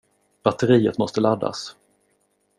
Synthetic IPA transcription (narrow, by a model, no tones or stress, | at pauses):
b̥at̪ːəɾiːət̪mɔst̪əlad̪ːa̰s